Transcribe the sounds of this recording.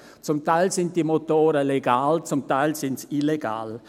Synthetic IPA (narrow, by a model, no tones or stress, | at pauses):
t͡sʊmtaɪlsɪnt̚d̥iːmotoːɾəleɡaːlt͡sʊmtaɪlsɪntsileɡ̥a̰ːl